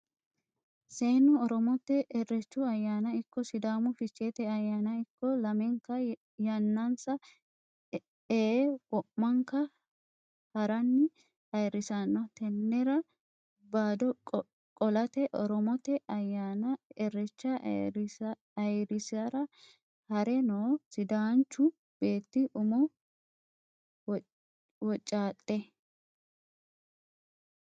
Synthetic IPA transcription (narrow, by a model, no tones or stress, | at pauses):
seːnʊɔɾɔmɔt̪ːɛʔɛrːɛt͡ʃːʊɐjːaːnɐɪkːɔsɪd̪aːmʊfɪt͡ʃːeːt̪ɛɐjːaːnɐɪkːɔlɐmɛŋkɐ | jɐnːansɐ | ewɔmːɐŋkɐ | hɐɾɐnːɪ | ɐjrɪsanːɐt̪ɛnːɛɾɐ | baːd̪ɔ | kʼɔlɐt̪ɛʔɔ̰ɾɔmɔt̪ɛʔɐjaːnɐɛrɛt͡ʃːɐ | ɐjɾɪsɐɾɐ | hɐɾɛnoːsɪd̪aːnt͡ʃːʊ | b̥e̞ːt̪ːɪʔʊmɔ | wɔt͡ʃʼːaːt̪ʼːɛ